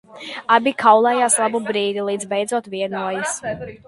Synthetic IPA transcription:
abʲikʰawlˠɛjaːslˠabubɾiːd̪ilˠiːd̪zbɛjd̪zuɔt̪viɛnuɔjis

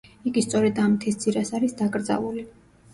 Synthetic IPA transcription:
iɡist̪sʼɔɾɛd̪amt̪ʰist̪sʰʼiɾasaɾisd̪akʼɾd̪za̰vuli

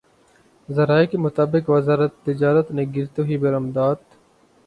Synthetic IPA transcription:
zɐɾaːekemʊt̪aːbɪkʋɐzaːɾət̪ːɪd͡ʒaːɾət̪nẽɡɪɾt̪euibɐɾɐmd̪aːt̪

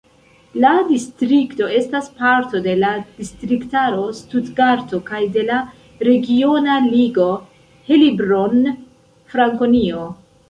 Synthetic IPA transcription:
ladistɾikto̞e̞staspaɾto̞de̞lad̥istɾiktaɾo̞studɡaɾto̞kajde̞la | ɾe̞ɡio̞naliɡo̞ | he̞libɾo̞n | fɾaŋko̞nio̞

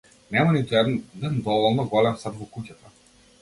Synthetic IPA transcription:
nɛmanit̪uɛd̪d̪ɛnd̪ɔvɔlˠnɔɡɔlɛmsat̪vɔkucat̪a

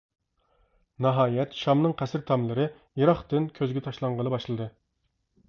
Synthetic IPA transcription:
nɑɦɑːjɛt̪ʃɑmnɨŋqʰæsɪɾt̪ʰɑmlˠɨɾɨ | jeɾɑχt̪ɨnkʲʰøzɡʲɛt̪ʰɑʃlˠɑɴʁənɨbɑʃlˠɨd̪ɨ

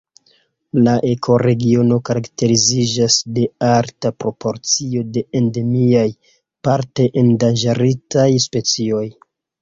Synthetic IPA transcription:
laʔe̞kʰo̞ɾe̞ɡio̞no̞kaɾakte̞ɾizid͡ʒasde̞aɾtapɾo̞po̞ɾt͡sio̞de̞ende̞miaj | paɾteʔendand͡ʒaɾitajspe̞t͡sio̞j

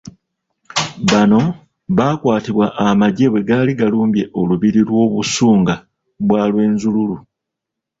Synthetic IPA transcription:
βano̞ | βaːkwaːtiβwaʔːmaɟe̞we̞ɡaːliɡaluːmbje̞ʔo̞luβiɾilwo̞ːβusuːŋɡa | βwaːlwe̞ːnzululu

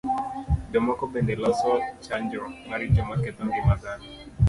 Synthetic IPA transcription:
dɔmakɔbɛndɛlɔsɔt͡ʃaɲd͡ʒɔŋaɾid͡ʒɛmakɛt̪ɔŋɡimazani

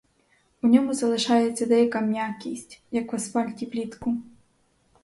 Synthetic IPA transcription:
unʲɔmuzɐlˠɨʂajɛt̪sʲɐd̪ɛjɐkɐmnʲjakʲisʲt͡sʲjɐkvasfalʲtʲiplʲit̪ku

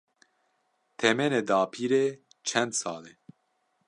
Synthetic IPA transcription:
t̪ʰɛmɛned̪aːpʰiːɾeː | t͡ʃʰɛnd̪sɑːleː

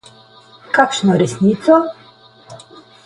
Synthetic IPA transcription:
kakʃnɔɾesnit̪sɔ

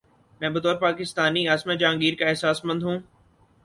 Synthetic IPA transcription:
mɛ̃ːbət̪ɔːɾpaːkɪst̪aːniaːsmẽd͡ʒãːŋɡiːɾkaɛɦsaːsmɐ̃nd̪ʱɦũː

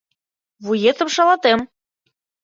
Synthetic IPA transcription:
βujet̪ə̆mʃɑlɑt̪em

